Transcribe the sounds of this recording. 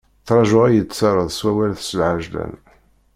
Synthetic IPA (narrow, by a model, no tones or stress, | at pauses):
θɾˤɑʒʊʁæjət͡sːɑɾˤəðˤswæwælθsəlʕaʒlæ̰n